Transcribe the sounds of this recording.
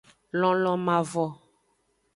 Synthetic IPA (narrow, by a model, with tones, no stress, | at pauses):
lɔ̃˨lɔ̃˨mã˨vɔ˨